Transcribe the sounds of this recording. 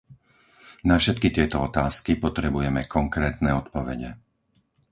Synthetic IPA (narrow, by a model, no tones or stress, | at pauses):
nafʃɛt̪̚kit̪ɪɛt̪ɔɔt̪aːskipɔt̪ɾɛbujɛmɛkɔŋkɾɛːt̪nɛɔt̪pɔʋɛɟɛ̰